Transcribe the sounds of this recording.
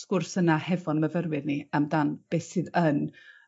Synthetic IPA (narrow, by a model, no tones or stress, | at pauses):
skʊrsənahɛvɔnməvərwɪrniamdanb̥eːsɨːðən